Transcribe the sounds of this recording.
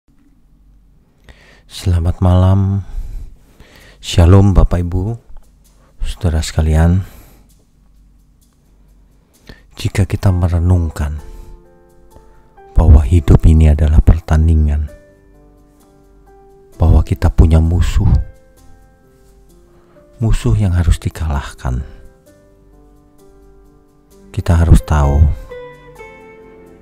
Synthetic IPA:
səlamat̪̚malam | sialʊmbapaibu | sə̥t̪əɾasə̥kalian | d͡ʒikakit̪aməɾənuŋkan | b̥aɦwaɦidʊpiniadalahpərt̪aniŋan | b̥ahwakit̪apuɲamusʊh | musʊhjaŋɦaɾʊsd̥ikalahka̰n | kit̪aɦaɾʊst̪au

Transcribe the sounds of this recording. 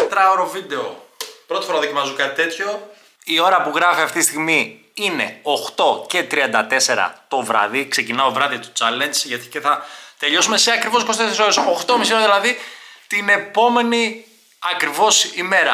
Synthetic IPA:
t̪ɾɐoɾovid̪e̞opɾo̞t̪i̥foɾɐðocimɐzokɐt̪it̪e̞t̪ço̞ | io̞ɾɐpuɣɾɐfiɐft̪it̪ist̪iɣmi | ine̞̰oxt̪o̞ce̞t̪ɾiɐnd̪ɐt̪e̞se̞ɾɐ̰t̪o̞vɾɐ̰ðikse̞cinɐovɾɐðit̪u̥t͡sɐlensʝɐt̪i̥ceθɐt̪e̞ʎo̞sume̞seɐkɾivospɾost̪et̪eso̞ɾesoxt̪omisoðilɐðit̪ine̞po̞me̞ni | ɐkɾivo̞sime̞ɾɐ

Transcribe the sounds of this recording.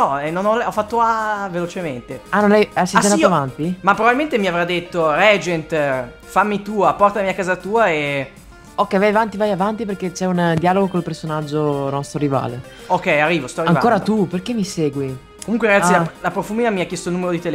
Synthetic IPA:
ɔɛnonɔlɔfːat̪ːoavelot͡ʃement̪eanːɔlɛjaseasenaoaavant̪imapːɾobabilment̪emiavɾad̪ːet̪ːoɾɛd͡ʒent̪ | famːit̪uːapɔrt̪amiakːaːzat̪uːae | okːɛjvajavant̪ivajavant̪iperket͡ʃɛund̪jaloɡokolpersonad͡ʒːonɔst̪oɾiva̰ːle | okːɛjarːiːvost̪ɔɾiaŋiakoːɾat̪uperkemːiseːɡwi | komuŋkweɾaɡaːilalapɾofuminamiakːjɛst̪oilnumeɾod̪it̪el

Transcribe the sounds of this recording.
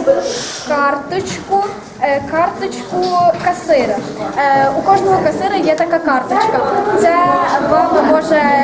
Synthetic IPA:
kɑrt̪ʊt͡ʃkʊ | kɑrt̪ɔt͡ʃkʊkɐsɪɾɪ | ukɔʐnɔɦɔkɐsɪɾɨjɛt̪ɐkakɑrt̪ɔt͡ʃkɐt̪sɛʋɑwnɔmɔʒɛ

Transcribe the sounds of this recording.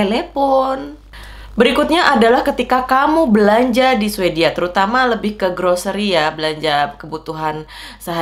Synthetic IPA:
elepʊn | bəɾikut̪̚ɲaʔadalahkət̪ikakamubəlaɲd͡ʒadisuediat̪əɾut̪amaləbɪhkəɡɾosəɾiabəlaɲd͡ʒakəbut̪uɦan | səɦ

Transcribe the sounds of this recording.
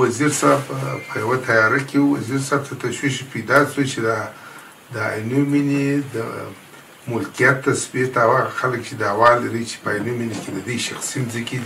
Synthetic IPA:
waziɾsɑbpʰəjawat̪ajɑɾakewwaziɾsɑb̚t̪ʰat̪aʃwiʃpejd̪ɑswət͡ʃed̪a | d̪əa̰jnumined̪ə̰ | mʊlkijat̪ːasbit̪aawaɣaxalək̚t͡ʃed̪ɑwɑlaɾit͡ʃe̥pəajnuminiked̪əd̪əjʃaxsimzikid̪i

